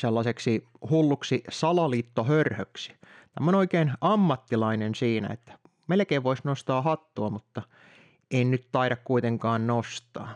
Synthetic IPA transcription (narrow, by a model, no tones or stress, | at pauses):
selːɑseksi | hulːuksisɑlɑliːt̪ːohørhøksi̥t̪æmːonoikeːnɑmːɑt̪ːilɑinensiːnæ̰ḛt̪ːæ̥ | melkeːʋʋoisnost̪ɑːhɑt̪ːuɑmut̪ːɑ | ennyt̪t̪ɑiɾɑkkuit̪eŋkɑːnnost̪ɑ̰ː